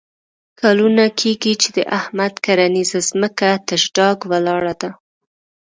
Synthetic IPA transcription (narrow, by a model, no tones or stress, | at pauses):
kʰalunakʰeɡit͡ʃed̪əʔahmad̪kaɾanizazməkat̪aʒɖɑɡwalɑɽad̪a